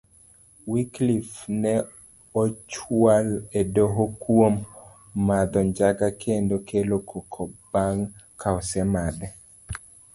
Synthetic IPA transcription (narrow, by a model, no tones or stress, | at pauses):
wiklifnɛ | ot͡ʃwaledoɦokwomː | ad̪ɔɲd͡ʒaɡakʰendokʰelokʰokʰɔbaŋkʰaɔsɛmad̪ɛ